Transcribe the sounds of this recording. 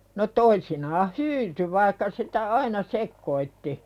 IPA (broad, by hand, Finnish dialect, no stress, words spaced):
no toisinɑːh hyːty ʋɑikːɑ sitæ ɑinɑ sekːoitːi